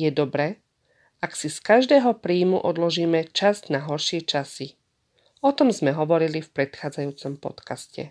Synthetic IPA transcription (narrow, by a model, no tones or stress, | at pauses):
jɛd̪ɔbɾɛː | aksiskaʒd̪ɛːɦɔpɾiːmṵʔɔ̰d̪lɔʒiːmɛt͡ʃaznaɦɔɾʃɪɛt͡ʃasi | ɔt̪ɔmzmɛɦɔʋɔɾilifpɾɛt̪xaːd͡zajuːt͡sɔmpɔ̰t̪kascɛ̰